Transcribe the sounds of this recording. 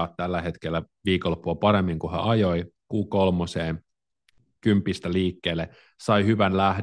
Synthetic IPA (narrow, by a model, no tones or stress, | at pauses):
ɑt̪t̪ælːæhet̪kelːæ | ʋiːkolːopːuɑpɑɾemːiŋkuhæ̰ʔɑjoikuːkolmoseːn | kympːˑist̪æliːkːeːlːe | sɑihyʋænlæh